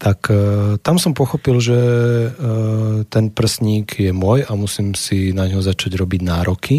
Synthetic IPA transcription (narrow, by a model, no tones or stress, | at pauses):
t̪akt̪amsɔmpɔxɔpilʒɛ | t̪ɛnpr̩sɲiːɡjɛmʊɔjamusiːmsinaɲɦɔzat͡ʃaɟɾɔbiɟnaːɾɔkʰi